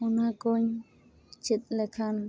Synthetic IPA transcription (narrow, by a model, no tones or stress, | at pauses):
ʊnakʊɲ | t͡ʃɪt̪̚lekʰan